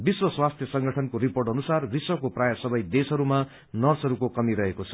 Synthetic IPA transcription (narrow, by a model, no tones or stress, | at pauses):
biswʌswast̪ʰjʌsʌŋɡʌʈʰʌnkoɾiporʈʌnusarbiswʌkoprajasʌbʌjd̪esɦʌɾuma | nʌrsʌɾukokʌmiɾʌɦekot͡sʰʌ̥